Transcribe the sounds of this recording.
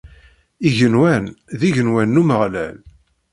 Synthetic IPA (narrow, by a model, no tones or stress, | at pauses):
iʝənwænðiʝənwænːuməʁlæ̰l